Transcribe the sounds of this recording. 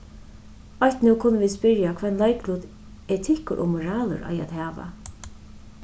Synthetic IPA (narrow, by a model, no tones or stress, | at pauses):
ɔçt̪nuwkʰʊnːəviːspɪɾjakʰvɛnlajklʊt̪ | ɛt̪ʰɪkʊ̰ʔɔ̰mʊɾaːlʊ̰ɾʔa̰ja̰ðhaːʋa̰